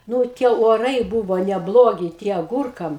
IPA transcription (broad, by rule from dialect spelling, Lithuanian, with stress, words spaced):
ˈnuː ˈtʲiɛ oːˈrɐɪ ˈbuːʋoː nʲɛˈblˠoːɡʲɪ ˈtʲiɛ ɐˈɡuːrkɐm